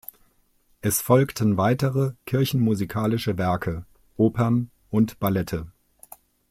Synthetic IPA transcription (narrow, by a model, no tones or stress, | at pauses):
ʔɛsfɔlktʰn̩vaɪtəʁəkʰɪɐçn̩muzikʰaːlɪʃəvɛɐkʰə | ʔoːpʰɐn | ʔʊntb̥alɛtʰə